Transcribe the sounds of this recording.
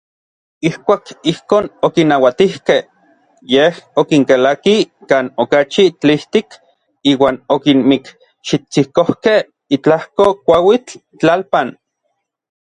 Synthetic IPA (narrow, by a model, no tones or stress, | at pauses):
ihkʷaːkihkoːnokinːawat̪ihkeh | jehokiŋkelakikaːnokat͡ʃit͡ɬiht̪ik | iːwaːnokinmik | ʃit͡sikohkeh | it͡ɬahkokʷawit͡ɬ | t͡ɬalpan